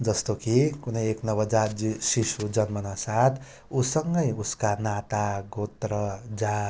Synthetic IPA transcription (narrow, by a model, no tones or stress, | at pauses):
d͡zʌst̪okikunʌjeknʌβʌd͡zaisisud͡zʌnmʌnasat̪ʰ | usʌŋɡʌjuskanat̪aɡot̪rʌd͡za